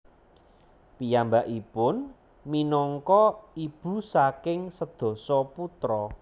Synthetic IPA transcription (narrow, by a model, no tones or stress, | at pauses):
pijambaʔipʊn | minɔŋkɔib̥ṳsakɪŋsəd̪̥ɔ̤sɔput̪ɾɔ